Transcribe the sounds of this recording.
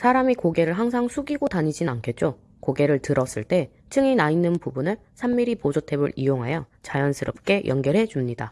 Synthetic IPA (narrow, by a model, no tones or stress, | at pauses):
sʰaɾamikoɡe̞ɾɯɭɦaŋsʰaŋsʰuɡiɡotaɲid͡ʑinnankʰe̞t̚t͡ɕ͈o | koɡe̞ɾɯɭtɯɾʌs͈ɯɭt͈e̞ | t͡ɕʰɯŋinainːɯnpubunɯɭ | sʰamːiɾipod͡ʑotʰe̞bɯ̰ɾijoŋɦajʌt͡ɕajʌnsʰɯɾʌp̚k͈e̞jʔʌnɡjʌɾɦe̞d͡ʑumɲida